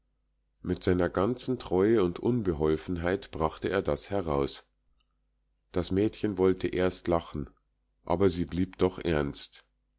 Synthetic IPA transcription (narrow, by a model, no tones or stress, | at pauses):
mɪtz̥aɪnɐɡant͡sn̩tʁ̥ɔʏəʊntʔʊnbəɦɔlfn̩ɦaɪtb̥ʁaχtəʔḛːɐdashɛʁaʊs | d̥asmɛːtçənvɔltʰəʔeːɐstlaχn̩ | ʔa̰ːbɐziːbliːpd̥ɔχʔɛɐnst